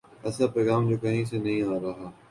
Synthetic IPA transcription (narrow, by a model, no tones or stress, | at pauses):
ɛːsapɾoːɡaːmd͡ʒoːkɐɦĩsenɐɦĩaːɾɐɦaː